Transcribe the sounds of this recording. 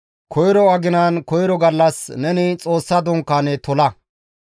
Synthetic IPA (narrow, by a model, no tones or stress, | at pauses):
kʰɔjɾɔɐɡɪnankɔjɾɔɡɐlːɐsnɛnɪt͡sʼo̞ːsːɐd̪ɔŋkːanɛt̪ɔlɐ